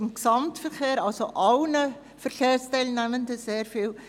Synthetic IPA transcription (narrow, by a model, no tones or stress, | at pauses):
ɪmksɑmtfərχeːɾɑlsoʔɑlnə | fərkʰeːrstaɪlnæməndəseːrfiːl